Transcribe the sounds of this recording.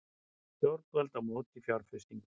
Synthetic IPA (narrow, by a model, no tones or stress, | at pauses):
st̪jɔɾt̪ɛlt̪amoːt̪ifjawɾfɪst̪iŋk